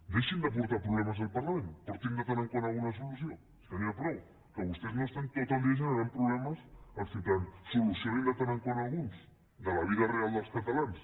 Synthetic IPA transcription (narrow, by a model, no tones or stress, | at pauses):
d̪eʃind̪əp̬uɾt̪apɾuβlɛmɐzðəlˠpɐɾlɐmẽnpoɾt̪ind̪əfeɾəŋkoɾalˠɣunɐsulusio | st̪əɾiɐpɾɔw | kəβust̪eznost̪eŋkakamd̪eʒ̬ənaɾampɾuβlɛmɐsəsit̪ansulusioend̪əft̪eɾəŋkoɾalˠɣuns | d̪əlɐβiðɐrealˠd̪əlˠskɐt̪ɐlans